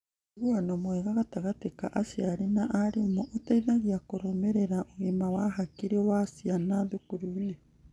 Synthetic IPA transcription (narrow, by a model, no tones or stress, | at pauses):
ɣuanomweɣaɣataɣatekaʔasiaɾinaʔaɾimoʔotaiðaɣiakoɾomeɾeɾaʔoɣemawaɦakiɾewasianaðukuɾune